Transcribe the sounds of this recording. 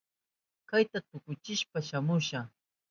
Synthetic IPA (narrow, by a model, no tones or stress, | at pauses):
kajt̪at̪ʊkʊt͡ʃɪʃpaʃamʊʃa